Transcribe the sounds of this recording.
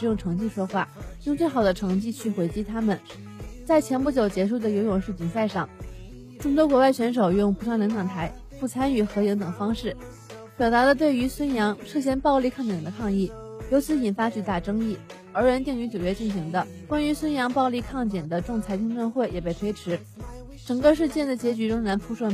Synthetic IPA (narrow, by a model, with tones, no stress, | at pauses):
ɻ̩˧˥jʊ˥˩ŋʈ͡ʂʰɤ˧˥ŋt͡ɕi˥˩ʂwɔ˥xwa̰˥˩jʊ˥˧ŋt͡swe˥˩ɪxɑ˨˩ʊd̪ə˦ʈ͡ʂʰɤ˧˥ŋt͡ɕi˥˧t͡ɕʰy˥˩xwe˧˥ɪt͡ɕi˥t̪ʰa˥mə˨n | t͡sa˥˩ɪt͡ɕʰjɛ˧˥np̬u˥˩t͡ɕjo˨˩ʊt͡ɕjɛ˧˥ʂu˥˩d̪ə˩jo˧˥ʊjʊ˨˩ŋʂɻ̩˥˩t͡ɕi˧˨˩nsa˥˧ɪʂɑ˥˩ŋ | ʈ͡ʂʊ˥ŋt̪wɔ˥kwɔ˧˥wa˥˩ɪt͡ɕʰɥɛ˧˥nʂ̬o˨˩ʊjʊ˥˩ŋpʰu˧˥ʂʰɑ˥ŋljŋʈ͡ʂ̪ʰɑ˨˩ŋt̪ʰa˧˥ɪ | pu˥˩t͡sʰa˥ny˨˩xɤ˧˥i˧˥ŋt̪ɤ˨˩ŋfɑ˥ŋʂɻ̩˥˩ | pjɑ˨˩ʊt̪a˧˥lə˧t̪̬we˥˩ɪy˧˥swə˥njɑ˧˥ŋʂɤ˥˧ɕ̬jɛ˥˧npɑ˥˧ʊli˥˧kʰɑ˥˩ŋt͡ɕ̪jɛ˨˩nd̪ə˦kʰɑ˥˧ŋi˥˩jo˧˥ʊt͡ɕʰi˧˥i˨˩nfa˥t͡ɕy˥˧t̪a˥˩ʈ͡ʂɤ˥ŋi˥˩ | ə˞˧˥ɻə˧˥nt̪i˥˩ŋy˧˥t͡ɕju˨˩t͡ɕɥɛ˥t͡ɕi˥˩nɕi˧˥ŋd̪ə˧ | kwa˥ny˧˥swə˥njɑ˧˥ŋpɑ˥˧ʊli˥˧kʰɑ˥˩ŋt͡ɕjɛ˨˩nd̪ə˦ʈ͡ʂʊ˥˩ŋt͡sʰa˧˥ɪt͡ɕ̪ʰi˥ŋʈ͡ʂwə˥˧nxwe˥˩ɪjɛ˨˩pe˥˩t̪ʰwe˥ɪʈ͡ʂʰɻ̩˧˥ | ʈ͡ʂɤ˨˩ŋɡə˥˧ʂ̬ɻ̩˥˧t͡ɕjɛ˥˩nd̪ə˩t͡ɕjɛ˧˥t͡ɕy˧˥ʈ͡ʂʊ˥ŋɻa˧˥npʰu˥ʂwə˥˩